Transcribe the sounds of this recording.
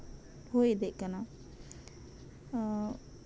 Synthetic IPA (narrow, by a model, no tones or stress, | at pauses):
ɦojd̪ɛʔkana